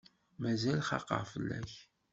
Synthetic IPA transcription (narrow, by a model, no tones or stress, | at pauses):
mæzælχɑ̰qːɑ̰ʁfəlːæ̰ç